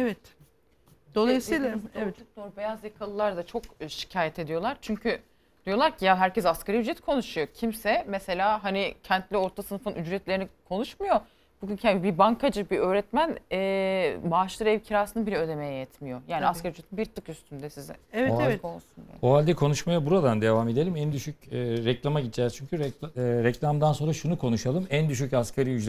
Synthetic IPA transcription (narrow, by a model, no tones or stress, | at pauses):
ɛvɛt̪ | d̪̥o̞lˠajɯsɯjlˠaɛvɛd͡ʒ̪it̪̚d̪oɾbe̞jazjakʰalˠɯlˠaɾd̪at͡ʃʰo̞kʃi̥cʰaːjɛt̪ʰe̞d̪ijo̞lˠaɾt͡ʃʰyɲcʰy | d̪̥ijo̞lˠaɾcʰijalɦæɾcɛzaskaɾajyd͡ʒɾɛt̪̚kʰo̞nuʃujo̞cʰimsɛmɛse̞lʲaːɦanicʰɛnt̪lʲio̞ɾt̪ʰasɯnɯfɯnʔyd͡ʒɾɛt̪lʲeinikʰo̞nuʃmujo̞ | buɟʲyncʰaibibaŋkʰad͡ʒɯbiø̞ːɾɛt̪mænɛːbaːʃlˠɯɾɛvcʰiɾaːsɯnɯbilʲɛød̪e̞me̞jɛjɛt̪ʰmijo̞jaːniaskaɾiyd͡ʒɾet̪ʰinbiɾt̪ʰɯkjyst̪ʰynd̪ɛsizɛ̰ɛvɛɛkʰonuʃuna̰oalʲd̪ɛkʰo̞nuʃmajabuɾad̪and̪e̞vaːme̞d̪e̞lʲimænd̪yʃycːɾɛclʲamaɟit̪d͡ʒɛzt͡ʃʰyɲcʰyɾɛɾɛclʲamd̪anso̞nɾaʃunukʰo̞nuʃalˠɯmænd̪yʃ̬ycaskʰaɾiyd͡ʒɾ